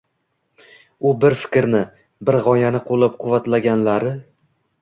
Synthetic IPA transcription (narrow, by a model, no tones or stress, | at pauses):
ʊbɪɾfɪ̥kʲɾnɪ | bɪɾʁɒjanɪqʰolˠap̚qʰʊvːat̪laɡʲanlaɾɪ